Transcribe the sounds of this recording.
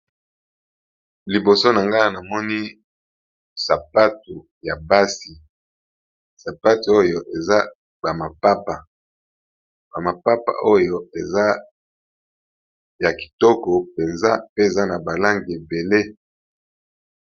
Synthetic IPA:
li˨bo˨so˦na˨ŋɡa˦na˨mɔ˦ni˦ | sa˨pa˦tu˨ | ja˨ba˦si˨ | sa˨pa˦tu˨o˦jo˨ʔe˨za˦ | ba˨ma˨pa˦pa˨ | ba˨ma˨pa˦pa̰˨ʔo˦jo˦e˨za˦ | ja˨ki̥˨tɔ˦kɔ˨pe˨nza˦pe˦e˨za˦na˨ba˨la˦ŋɡi˨e˨be˨le˦

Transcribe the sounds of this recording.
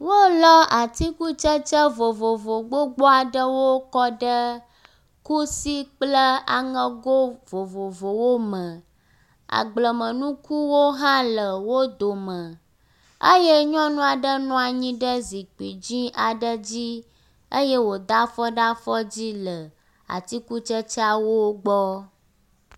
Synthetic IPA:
wo˦lɔ˦ʔa˨t̪i˦ku˦t͡ʃə˦t͡ʃə˦vo˨vo˨vo˨ɡ͡bo˦ɡ͡bɔ˦a˨ɖə˦wo˦kɔ˦ɖə˦ | ku˦si˦k͡plə˦a̰˨ŋə̃˦ɡo˦vo˨vo˨vo˨wo˦mə̃˨ | a̰˨ɡ͡blə˨mə̃˨nũ˦ku˦wo˦ɦã˦lə˨wo˦d̪o˨mə̃˨ | ə˦je˦ɲɔ̃˦nũ˦a˨ɖə˦nɔ̃˦a˨ɲĩ˦ɖə˦zi˨k͡pi˨d͡ʑĩ˦a˨ɖə˦d͡ʑi˦ | ə˦je˦wo˨d̪a˦fɔ˦ɖa˦fɔ˦d͡ʑi˦lə˨ | a̰˨t̪i˦ku˦t͡ʃə˦t͡ʃa˦wo˦ɡ͡bɔ˦

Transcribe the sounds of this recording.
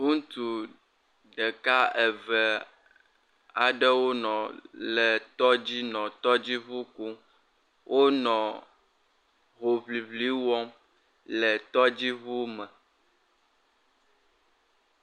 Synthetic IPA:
ŋũ˦t̪u˨ | ɖɛ˨ka˦ɛ˨vɛ˨ | a˨ɖɛ˦wo˦nɔ̃˨lɛ˨t̪ɔ˦d͡ʑi˦nɔ̃˨t̪ɔ˦d͡ʑi˦βu˦ku˦ | wʔo˦nɔ̃˨ | ɦo˨βli˨βli˦wɔ˦m | lɛ˨t̪ɔ˦d͡ʑi˦βu˦mɛ˨

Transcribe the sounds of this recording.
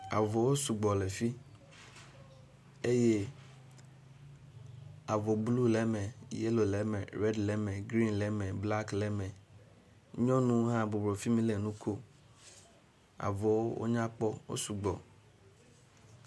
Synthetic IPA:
a̰˨vɔ˨wo˦su˨ɡ͡bɔ˨lɛ˨fi˦ | e˦je˦ | a˨vɔ˨blu˦lɛ˦mɛ̃˨je˦lo˨lɛ˨mɛ̃˨ɾɛ˦dlɛ˦mɛ̃˨ɡɾi˦nlɛ˦mɛ̃˨bla˦klɛ˦mɛ̃˨ | ɲɔ̃˦nũ˦ɦã˦˨bo˨bɾo˨fi˦mĩ˦lɛ˨nũ˦kʰo˦ | a̰˨vɔ˨wo˦wo̰˦ɲã˦k͡pɔ˦wo̰˦su˨ɡ͡bɔ˨

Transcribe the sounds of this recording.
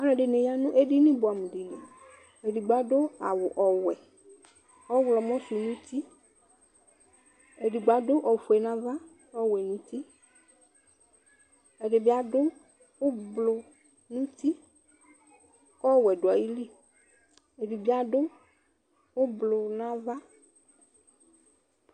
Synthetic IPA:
a˨˦lɔ̃˨ɖɪ˨nẽ˨ja˦nũ˦ʔe˦ɖi˦nĩ˦bo˨a˨mẽ˨ɖi˨le˨ | e˨ɖi˨ɡ͡ba˨ɖʊ˦a˨wʊ˨ʔɔ˨wɛ˨ | ɔ˦wlɔ˨mɔ̃˦sʊ˨nũ˦t̪i˦ | e˨ɖi˨ɡ͡ba˨dʊ˦ʔɔ˨fu˨ɛ˨nã˨va˦ | ɔ˦wɛ˨nũ˦t̪i˦ | e˨ɖe˨bi˦a˨ɖo˦ | wo˦blo˨ | nũ˦t̪i˦ | kɔ˦wɛ˨ɖo˨a˨ji˦li˦˨ | e˨ɖi˨bi˦a˨ɖo˦ | wo˦blo˨nã˦va˦

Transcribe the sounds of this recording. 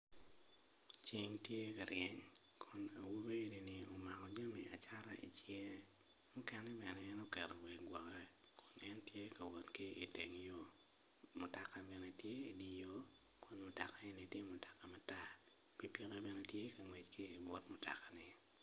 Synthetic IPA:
t͡ʃi˨ŋtje˦ka˨ɾjɛ˦ɲ | kʰʊ˨na˨wu˦be˦e˦ni˨ni˨o˨ma˨kɔ˨d͡ʒa˦mḭ˨a̰˨t͡ʃa˦ɾa̰˦ʔḭ˨t͡ʃje˦ | mʊ˦kɛ˦nɛ˦bɛ˨nɛː˦no˦kɛ˨ɾɔ˨we˨ɡwɔ˨kɛ˦ | kʰʊ˨nɛ˦ntje˦ka˨wɔ˨tkɪ˦i˨te˨ŋ˨jo˦ | mʊ˨ta˨ka˦bɛ˨ne˨tje˦i˨di˨jo˦ | kʰʊ˨nmʊ˨ta˨ka˦e˦ni˨tje˦mʊ˨ta˨ka˨ma˦ta˦ | pi˦pi˦ɾɛ˦bɛ˦nɛ˦tje˦ka˨ŋwe˨t͡ʃkɪː˦˨wɔ˦tmʊ˨ta̰˨ka˨nɪ˨

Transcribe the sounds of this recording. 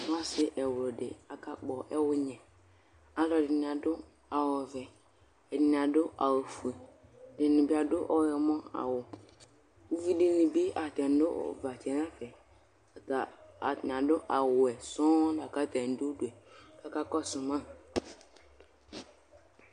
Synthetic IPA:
n˦a˦sɪ˨ʔɛ˨wʊ˨lɔ˨dɪ˨a˨ka˨k͡pɔ˨ʔɛ˦wʊ˦ɲɛ̃˨ | a˨lɔ˨dɪ˨n˨ã˨dʊ˦ | a˨wɔ˨vɛ˨ | ɛ˨dɪ˨n˨a˨dʊ˦ʔa˨wo˨fu˨e˨dɪ˨nɪ̃˨bi˦a˨dʊ˦ʔɔ˦jɛ˨mɔ̃˦a̰˨wʊ˨ | u˦vi˦dɪ˨nɪ̃˨bi˦a˨t̪ɛ˨n˦dʊ̰˦˨va˨t͡ʃɛ˨n˦ã˦fɛ˨ | ta˨a˨tn˨ã˨dʊ˦ʔa˨wʊ˨ɛ˨sɔ̃˦da˨ka˦t̪ɛ˨n˨˦dʊ˦du˨ɛ˨ka˦ka˦kɔ˦sʊ˨mã˦˨

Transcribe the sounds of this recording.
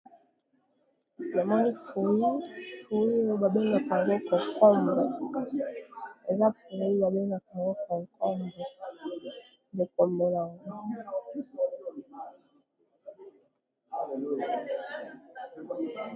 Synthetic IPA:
ja˨mɔ˦ni˦fu˨na˦po˨˦i˦jo˦ba˨be˦ŋɡa˨ka˨ŋɡo˦ko˨kɔ˦mba˨ | e˨za˦pu˨˦i˦ba˨be˦ŋa˨ka˨ŋɡo˦kɔ˨ŋkʰɔ˦mbɔ˨ | be˨kɔ˨mbɔ˨la˨ŋɡ

